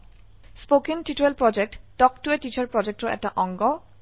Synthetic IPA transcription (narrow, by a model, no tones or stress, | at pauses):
spokiŋʈiʈuelpɹɔd͡ʑek̚ʈɖɔkʈueʈit͡ɕaɹpɹɔd͡ʑek̚ʈoɛ̰k̚ʈaʔɔŋɡɔ